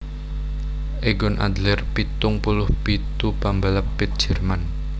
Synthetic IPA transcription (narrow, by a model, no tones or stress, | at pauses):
ʔeɡɔnʔa̰d̪lɛrpit̪ʊŋpulʊhpit̪ubambalapːɪt̪̚d̥ʒ̥ɛ̤rman